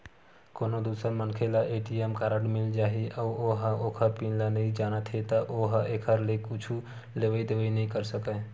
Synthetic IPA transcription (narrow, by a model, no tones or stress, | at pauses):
konod̪usəɾmənkʰelaʔeʈiemkaɾəʈmild͡ʒaɦiʔauoɦəokʰəɾpinlanəid͡ʒanət̪ʰet̪əʔoɦʔekʰəɾlekut͡ʃʰu | leʋəd̪eʋənəĩkəɾsəkə